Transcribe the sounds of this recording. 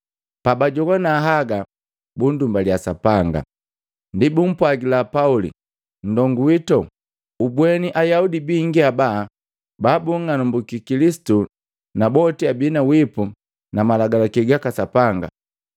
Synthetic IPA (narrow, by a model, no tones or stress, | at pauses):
pabaɟɔɡɔnaɦaɡa | bundumbaliasapaŋɡa̰ | ndibum̩pwaɡilapaulḭ | n̩dɔŋɡuwitɔ | ubwɛniʔajaudibiŋɡiabaː | baːbuŋanumbukikilisi̥tu | nabɔtiabinawipu | namalaɡalakiɡakasapaŋɡa̰